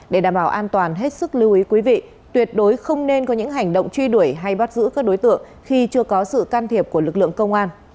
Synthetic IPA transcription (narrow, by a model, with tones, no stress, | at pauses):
ɗe˧˩aː˨˩mɓaː˧˩wʔaː˧nt̪waː˨˩nɦe˦˥t̚sɨ˦˥k̚lɨ˧wʔi˨˦kwi˨˦vḭ˧˨ | t̪wi˨˩ət̚ɗo˨˦jxə˧wŋ͡mne˧nkɔ˨˦ɲɨ̰˧˥ŋɦa˨˩jŋ̟ɗə̰˧˨wŋ͡mt͡ɕwi˧ɗu˧˩əjɦa˧jɓa˦˥t̚zɨ̰˧˥kaː˦˥k̚ɗo˨˦jt̪ɨ̰˧˨əŋ | xi˧t͡ɕɨ˧əkɔ˨˦sɨ̰˧˨kaː˧nt̪ʰi˨˩əp̚ku˧˩əlɨ˨˩k̚lɨ̰˧˨əŋkə˧wŋ͡mʔaː˧n